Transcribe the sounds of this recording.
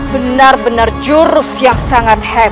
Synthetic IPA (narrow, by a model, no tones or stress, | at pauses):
bənarbənard͡ʒuɾʊsjaŋsaŋat̪̚hɛ